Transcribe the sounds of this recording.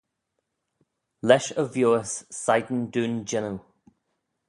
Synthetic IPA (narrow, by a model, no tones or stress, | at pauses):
lɛʃəvjoːəssajd̪n̩duːnd͡ʒɛnə